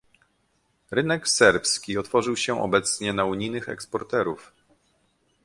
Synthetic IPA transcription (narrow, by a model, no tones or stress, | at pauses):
ɾɘnɛksɛɾpskʲiɔt̪fɔʐɘwɕɛʔɔ̰bɛt̪sɲɛnauɲijnɘxɛ̰kspɔɾt̪ɛɾuf